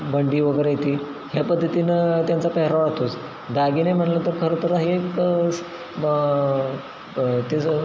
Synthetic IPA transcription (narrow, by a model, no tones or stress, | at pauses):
bəɳɖiːʋəɡəɾejet̪iː | ɦjapəd̪ʱːət̪inət̪jant͡sapəɦɾaʋat̪ʰos | d̪aɡiːnajm̤əɳlət̪əɾkʰəɾət̪ʰəɾaɦiek | t̪e